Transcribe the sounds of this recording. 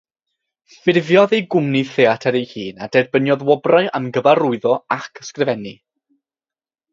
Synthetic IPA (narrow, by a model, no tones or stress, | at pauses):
fɪrvjɔðejɡʊmniθeatʰɛɾejhiːnad̥ɛrbənjɔðwɔbraɨʔamɡəvarʊɨðɔakʰskrɪvɛni